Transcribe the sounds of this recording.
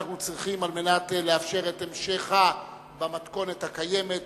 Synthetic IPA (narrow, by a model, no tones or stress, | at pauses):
χnut͡sʁiχimalme̞natle̞afʃe̞ʁe̞temʃeχa | bamatko̞nethakaje̞met